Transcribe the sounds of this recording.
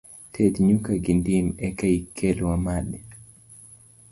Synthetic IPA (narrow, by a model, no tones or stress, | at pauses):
tʰɛdɲukaɡindimɛkaikʰːɛlwamaɗɛ